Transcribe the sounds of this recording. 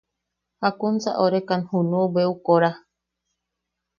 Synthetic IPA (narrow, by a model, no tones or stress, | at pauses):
hakunt͡sa̰ʔoɾekanhunubeukoɾa